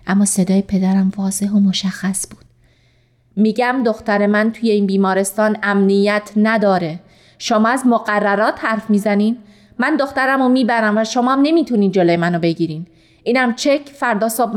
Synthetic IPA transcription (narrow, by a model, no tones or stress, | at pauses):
ʔæmːɒːse̞d̪ɒːjepʰe̞d̪æɾæmfɒːse̞ɦomoʃæxːæsb̥uːd̪̥ | miːɟæmd̪o̞xt̪æɾe̞mænt̪ʰuːjeiːnbiːmɒːɾe̞st̪ɒːnæmnijæt̪ʰnæd̪ɒːɾe | ʃomɒːæzmoɣærːæɾɒːt̪hæɾfmiːzæniːn | mænd̪o̞xt̪æɾæmomiːbæɾæmvæʃomɒːæmne̞miːt̪ʰuniːnd͡ʒolojemænobe̞ɟiːɾiːn | ʔiːnæmt͡ʃʰecʰfæɾd̪ɒːsɒːb